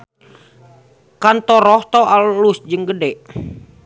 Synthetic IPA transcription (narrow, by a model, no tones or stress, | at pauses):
kant̪ɔɾɔht̪ɔalusd͡ʒɨŋɡədɛʔ